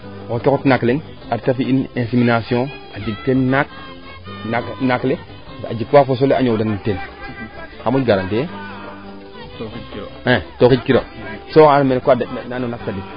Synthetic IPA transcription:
kokekutnakleŋ | aɾtafiinẽnsiminasiõ | adiɡtennak̚ | nanakle | a̰d͡ʒikwafos̬oleʔa̰ɲodaniten | hamuɡaɾante | ɛtokid͡ʒkiɾo̰sokaɾmenkwadaɗnananonak̚tadi

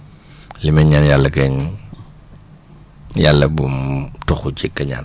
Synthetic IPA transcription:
limɛɲɲaːnjalːɐkɛɲ | jalːɐbutɔxut͡ʃikːɐɲa̰ːn

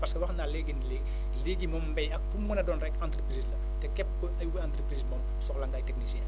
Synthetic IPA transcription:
pɐrskɛwɐxnaleɡinle | leːɡimɔmbɛjɐk̚fumːənɐdɔːnrɛkãnt̪rəpɾiːslɐ | tɛkɛp̚kəʔɐjwuãːnt̪ɾəpɾiːsmɔːm | sɔklaŋɡaːjtɛk̚nisjɛ̃

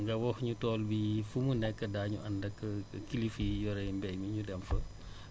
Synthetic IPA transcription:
ŋɡɐwɔxɲutɔːlbifumunɛkːədaːɲuʔɐndɐkːəkilifijɔɾɛjmbɛjmiɲudɛmfɐ

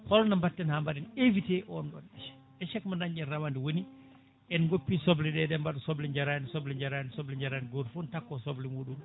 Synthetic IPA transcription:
hɔlɔnambatːɛnhambaɗɛnevitɛʔɔnɗɔ̰nɛʃɛ̥ | ɛʃɛkmanaɲːɛnramandɛwoni | ʔɛnɡopːisoblɛɗɛɗɛmbaɗɔsoblɛɲd͡ʒaɾansoblɛɲd͡ʒaɾansoblɛɲd͡ʒaɾanɡoɾfuntakːɔsoblimuːɗum

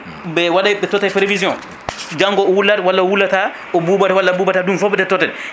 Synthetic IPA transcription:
bɛwaɗajɓɛtɔtːɛltelevizijɔ̃n | d͡ʒaŋɡɔɔwulːatwalːaɔwulːata | ɔbubatwalːabubatadunfɔɓɛdɛtɔtɛl

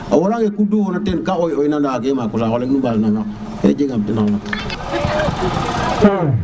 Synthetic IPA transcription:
awɔɾãŋekudũkɔnɔtenkaojoinãdaːkɛmakɔsawɔlẽiũbaɾnãŋã | ḛd͡ʒẽɡãbtenãla

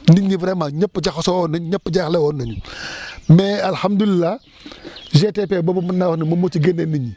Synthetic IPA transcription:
niɲːivɾemaɲapːd͡ʒaxosowonaɲɲapːd͡ʒaxlewonaɲu | mealhamdulilːa | d͡ʒetepebobumunawnimamot͡ʃiɡeneniɲi

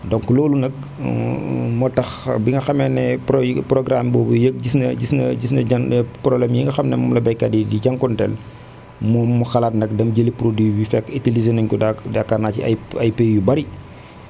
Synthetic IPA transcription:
dɔŋkuloːlunɐk̚ | mɔtɐxbiŋɡɐxɐmɛnɛpɾpɾɔɡɾambɔːbujək̚ɟisnɐɟisnɐɟisnɐɐnpɾɔblɛmjiŋɡɐxɐmnɛmɔmlɐbɐjkːɐdidiɟɐŋkɔntɛl | mɔːmːuxɐlaːtnɐkdɐmɟəlipɾodibifɛkːitilizenɐɲkuadakːanaːcḭɐ̰jɐjpejubɐɾi

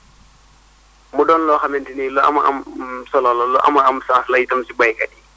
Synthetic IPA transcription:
mudɔnlɔxamɛntinilɔʔa̰maʔa̰msɔlalɔlɔʔa̰maamsaslajitamsiɡ͡bajkaɗi

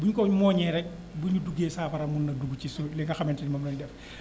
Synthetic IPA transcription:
buɲkɔɲmɔːɲɛɾɛk̚ | buɲuduɡeːsaːfɐɾɐmunːɐduɡut͡ʃisulɛŋɡɐxɐmɛntinimɐmlɔndɛf

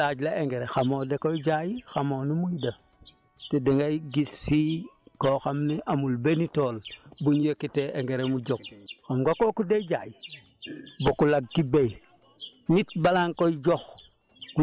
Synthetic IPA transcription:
ad͡ʒlaʔeŋɡeɾexamoːdekoiɟajixamoːnumujdɐ | tedeŋɡajɡisːikoxamniʔamulbenitolbuɲjekiteʔeŋɡeɾemuɟok̚xamɡakokuded͡ʒa̰ːji | bokulaɡ̚ːibej | nit̚balaŋkojɟox | ku

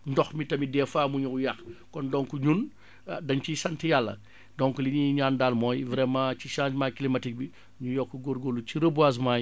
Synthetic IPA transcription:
ndɔxmitɐmidɛːfaːmuɲuujaxkɔndɔŋkuɲun | dɐɲt͡ʃisɐntijalːɐ̰ | dɔŋkuliɲiɲaːndalmɔːjvɾɛmãciʃãːt͡ʃmaːkilimɐtik̚bi | ɲujɔkːuɡoɾɡolːuciɾəbuas̬maːj

